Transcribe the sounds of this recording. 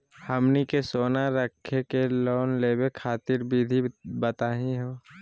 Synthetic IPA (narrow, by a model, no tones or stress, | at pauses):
həmnikesoːnaɾəkʰːekeloːnleːbekʰaːt̪ɪɾbʱid̪ʱibət̪aːɦĩɦoː